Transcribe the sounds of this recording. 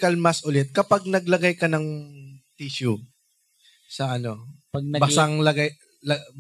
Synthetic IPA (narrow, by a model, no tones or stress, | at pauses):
kɐlmɐsʔʊlɛt̪̚kɐpaɡ̚nɐɡlɐɡajkɐnɐŋt̪iʃu | sɐʔɐno̞pɐɡ̚nɐbɐsaŋlɐɡaj | lɐ